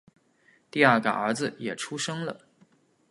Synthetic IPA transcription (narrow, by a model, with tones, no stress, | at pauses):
t̪i˥˧ɐ˞˥˩ka̰˨˩ə˞˧˥d͡z̩˧jɛ˨˩ʈ͡ʂʰu˥ʂɤ˥ŋlə̰˨